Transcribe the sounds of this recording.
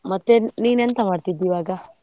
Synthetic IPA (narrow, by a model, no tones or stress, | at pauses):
mɐt̪ːeniːnent̪ɐmaːɖt̪id̪ːiʋaːɡa